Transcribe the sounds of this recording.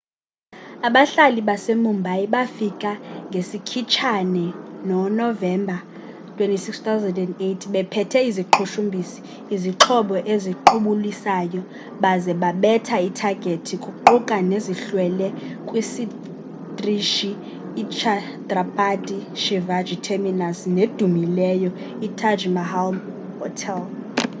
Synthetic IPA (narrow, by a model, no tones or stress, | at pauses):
aɓaɬaliɓasemumbʱaiɓafikʼaŋɡʱesikʰit͡ʃʰanɛnɔnɔvɛmbʱa | tʰwentʼisikst̪awzɛndɛndetʰiɓɛpʰɛtʰɛiziǃʰuʃumbʱisi̥ː | ziǁʰɔɓɔʔeziǃʰuɓulisaːjɔ | ɓazɛɓaɓɛtʰaitʰaɡ̥ʱetʰikʼuǃukʼaneziɬwɛlɛkʼwisi | driʃiː | t͡ʃʰa | trapʰʼadiʃivad͡ʒʱitʰeminasned̥ʱumilɛjɔ | itʰad͡ʒmahalm | hɔtʰɛl